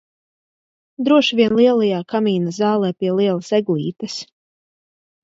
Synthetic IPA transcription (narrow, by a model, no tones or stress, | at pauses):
d̪ɾuɔʃvʲiɛnlˠiɛlˠajaːkamiːnazɑːlˠɛːpʲiɛlˠiɛlˠasɛɡlˠḭːt̪ɐs